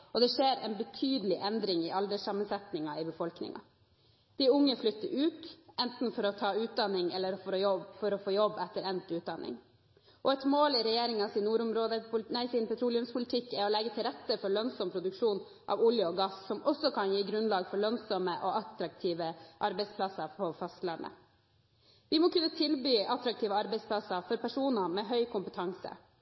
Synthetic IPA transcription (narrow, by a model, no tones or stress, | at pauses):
ɔd̪ɛʂeːɾɛ̰nbət̪ʰyːd̪əlɪʔɛnd̪ɾɪŋɪʔɑld̪əsɑmːənsɛt̪nɪŋɑɪbəfɔlknɪ̰ŋɑ̰ | d̪̥ɪʊŋːəflʏt̪ːəɾʉːt̪ʔɛnt̪n̩fɔɾɔt̪ʰɑːʉːt̪̚d̪ɑnɪŋɛlːəɾfɔɾɔfɔɾɔfoːjɔbːɛt̪ːəɾɛnt̪ʉːt̪̚d̪ɑnɪ̰ŋ | ʔɔɛt̪moːlɪɾɛjeːɾɪŋɑsɪnuːɾʊmɾoːd̪ənæɪsɪnpɛt̪ʰɾuːlɪʉmspʰʊlɪt̪ʰɪkːɛɾɔlɛɡːət̪ʰɪlɾɛt̪ːəfɔɾɭœnsɔmpʰɾʊd̪ʉkʂuːn | ʔɑ̰ːʋʊljəɔɡɑssɔmɔsɔkʰɑnjiːɡɾʉnlɑːɡfɔɾɭœnsɔməʔɔɑt̪ɾɑk̚t̪ʰiːʋəʔɑɾbɛɪspʰlɑsɑpʰɔfɑst̪lɑnə̰ | ʋɪmɔkʉnːət̪ʰɪlbyːʔɑt̪ɾɑk̚t̪ʰiːʋəɑɾbɛɪspʰlɑsɑfɔɾpæʂuːnɑmɛɦœʏkʰʊmpət̪ʰɑŋsə̰